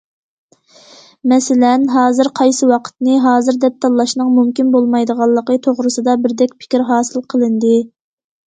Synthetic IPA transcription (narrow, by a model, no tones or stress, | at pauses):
mɛsɪlɛnɦɑːzɨɾqʰɑjsɨwɑqʰə̥t̪nɨɦɑːzɨɾd̪ɛp̚t̪ʰɑlˠːɑʃnɨŋmumkʲinbolˠmɑjd̪əʁɑlˠːəqət̪ʰoʁɾɨsɨd̪ɑbɪɾd̪ɛkʲpʰɪ̥kʲiɾɦɑːsɨlˠqʰəlˠɨnd̪ɨ